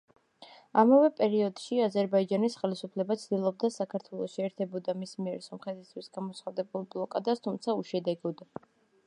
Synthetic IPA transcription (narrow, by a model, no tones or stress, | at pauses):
amavɛpʼɛɾiɔd̪̥ʃiazɛɾbaid͡ʒanisχɛlisupʰlɛbat̪sʰd̪ilˠɔb̚d̪asakʰaɾt̪ʰwɛlˠɔʃiɛɾt̪ʰɛbɔd̪amismiɛɾsɔmχɛt̪ʰist̪ʰwisɡ̥amɔt̪sχad̪ɛbulˠblˠɔkʼad̪ast̪ʰumt̪sʰauʃɛd̪ɛɡɔd̪